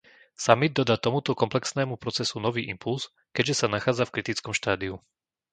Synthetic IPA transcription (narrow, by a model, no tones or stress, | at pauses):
samid̪̚ːɔd̪aːt̪ɔmut̪ɔkɔmplɛksnɛːmupɾɔt͡sɛsunɔʋiːʔimpuls | kɛɟʒɛsanaxaːd͡zafkɾit̪it͡skɔmʃt̪aːd̪iu